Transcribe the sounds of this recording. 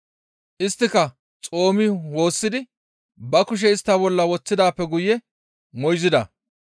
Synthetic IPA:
ʔɪst̪ːɪkɐ | t͡sʼo̞ːmɪwo̞ːsːɪd̪ɪ | bɐkʊʃ̬ɛɪst̪ːɐbɔlːɐwɔt͡sːɪd̪aːpːɛɡʊjːɛ | mɔjzɪd̪ɐ

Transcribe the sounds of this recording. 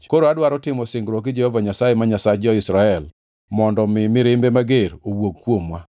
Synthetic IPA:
koɾoadwaɾɔtɪmɔsɪŋɡɾɔk̬ɪd͡ʒehɔvaɲasajemaɲasad͡ʒɔɪsɾaɛl | mɔndɔmɪmɪɾɪmbemaɡeɾowoɡkːwomwa

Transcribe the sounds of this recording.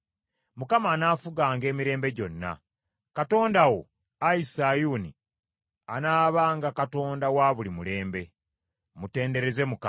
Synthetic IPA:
mukamaːnaːfuɡaːŋɡe̞ːmiɾe̞ːmbe̞ɟo̞nːa̰ | kato̞ːndawo̞̰ | aisajuːnḭ | anaːβaːŋɡakato̞ːndawaːβulimule̞ːmbe̞ | mute̞ːnde̞ɾe̞ze̞muka

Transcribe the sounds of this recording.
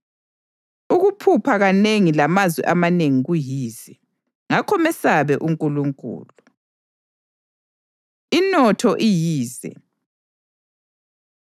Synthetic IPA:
uɣupʰupʰaɣaneŋilamazwɛ̰ʔamaneŋiɣujiːzɛ | ŋakʰɔmɛsaβɛʔuŋkʼuluŋkʼṵːlu | inɔtʰɔʔijiːzɛ̰

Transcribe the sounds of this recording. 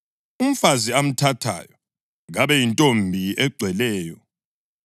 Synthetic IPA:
um̩faziam̩tʰatʰa̰ːjɔ | ɣaβɛjintʼombʱiɛɡ͡ǀʱwɛlɛːjɔ

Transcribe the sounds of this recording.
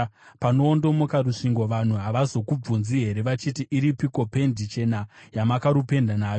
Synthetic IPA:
pano̞ːndo̞mo̞kaɾuʂiŋɡo̞ʋan̤uɦaʋazo̞kub͡vunziɦe̞ɾe̞ʋat͡ʃitiʔiɾipiko̞pe̞ndit͡ʃe̞najamakaɾupe̞ndanaːjo

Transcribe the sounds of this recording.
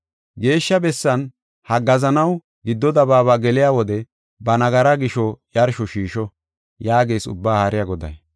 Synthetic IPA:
ɡe̞ːʃːɐbɛsːɐn | hɐɡɐzɐnɐw | ɡɪd̪ːɔd̪ɐbaːβaːɡɛlɪjawɔd̪ɛ | bɐnɐɡɐɾɐɡɪʃɔjɐɾʃɔʃiːʃɔ | jaːɡe̞ːsʊ̰bːaːhaɾɪjɐɡɔd̪ɐ̰j

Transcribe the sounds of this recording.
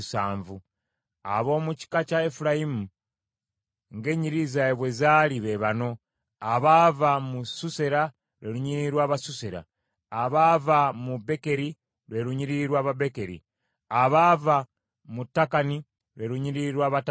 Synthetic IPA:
sa̰ːɱvu | a̰βo̞ːmuci̥kacaefuɾajimu | ŋɡe̞ɲiɾizaeβwe̞zaːliβeβano̞ | aβavamususeɾa | ɾwe̞ɾuɲiiɾwaːβasuseɾa̰ː | βaːvamube̞ke̞ɾi | ɾwe̞ɾuɲiɾiɾwaːβabe̞ke̞ɾḭ | aβava | mutːakani | ɾwe̞ɾuɲiɾiɾwaːβat

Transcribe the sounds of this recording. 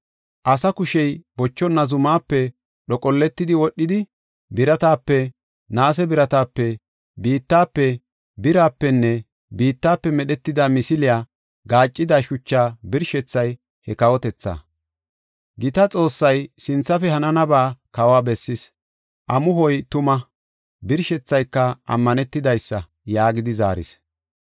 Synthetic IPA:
ʔɐsɐkʊʃɛjbɔt͡ʃːɔnːɐzʊmaːpːɛ | ɗɔkʼɔlːɛt̪ːɪd̪ɪwɔɗːɪd̪ɪ | bɪɾɐt̪aːpːɛ | naːs̬ɛbɪɾɐt̪aːpːɛ | biːt̪ːaːpːɛ | bɪɾaːpːɛnːɛ | biːt̪ːaːpːɛmɛɗɛt̪ːɪd̪ɐmɪsɪlɪjaː | ɡaːt͡ʃʼːɪd̪aʃʊt͡ʃːaːbɪɾʃɛt͡sːɐj | hɛkɐwɔt̪ɛt͡sːa̰ | ɡɪt̪ɐt͡sʼo̞ːsːɐjsɪnt͡sːɐfɛhɐnɐnɐbaːkɐwaːbɛsːɪs | ʔɐmʊɦɔjt̪ʊmɐ | bɪɾʃɛt͡sːɐjkːɐɐ̰mːɐnɛt̪ːɪd̪ɐjsːɐ | jaːɡɪd̪ɪza̰ːɾɪ̰s

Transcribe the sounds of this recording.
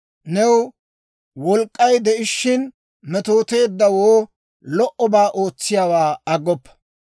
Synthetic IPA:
nɛw | wɔlkʼːɐjd̪ɛʔɪʃːɪn | mɛt̪o̞ːt̪e̞ːd̪ːɐwoː | lɔʔɔbaːʔoːt͡sːɪjaːwaːɐɡːɔpːɐ̥

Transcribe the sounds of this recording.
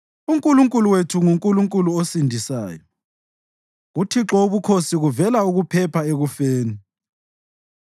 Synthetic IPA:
uŋkʼuluŋkʼuluwetʰuŋuŋkʼuluŋkʼuluosindʱisa̰ːjɔ | ɣutʰiǁɔuβukʰosiɣuvɛlauɣupʰɛpʰaeɣufeːni

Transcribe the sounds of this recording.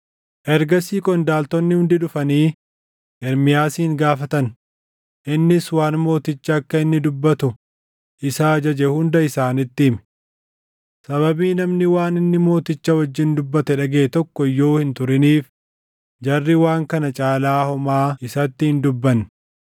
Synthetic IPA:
ʔɛɾɡɐsiːkʼɔnd̪aːlt̪ɔnːɪhʊnd̪ɪᶑʊfɐniː | ʔɛɾmɪjaːsiːŋɡaːfɐt̪ɐn | ʔɪnːɪswaːnmo̞ːt̪ɪt͡ʃːɐːkːɐɪnːɪd̪ʊbːɐt̪ʊ | ʔɪsaːd͡ʒɐd͡ʒɛhʊnd̪ɐɪsaːnɪt̪ːɪmɛ̥ | sɐβɐbiːnɐmnɪwaːnɪnːɪmo̞ːt̪ɪt͡ʃːɐwɐd͡ʒːɪnd̪ʊbːɐt̪ɛᶑɐɡeːt̪ɔkːɔjːo̞ːhɪnt̪ʊɾɪniːf | d͡ʒɐrːɪwaːŋkɐnɐt͡ʃʼaːlaːhɔmaːɪsɐt̪ːɪhɪnd̪ʊbːɐn

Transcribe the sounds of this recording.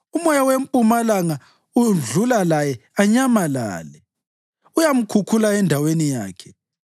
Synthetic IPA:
umɔjawempʼumalaŋa | uɮulalajɛaɲamala̰ːlɛ | ujam̩kʰukʰulaɛndʱawenija̰ːkʰɛ̥

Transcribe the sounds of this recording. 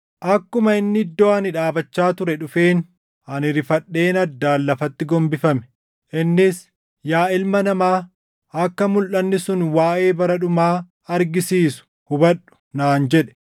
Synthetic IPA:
ʔɐkːʊmɐɪnːɪɪd̪ːoːɐnɪᶑaːbɐt͡ʃːaːt̪ʊɾɛᶑʊfe̞ːn | ɐnɪɾɪfɐᶑːe̞ːnɐd̪ːaːlːɐfɐt̪ːɪɡɔmbɪfɐmɛ̥ | ʔɪnːɪs | jaːɪlmɐnɐmaː | ɐkːɐmʊlʔɐnːɪsʊnwaːʔe̞ːbɐɾɐᶑʊmaː | ɐɾɡɪsiːsʊ̥ | hʊbɐᶑʊ̥naːnd͡ʒɛᶑɛ̥

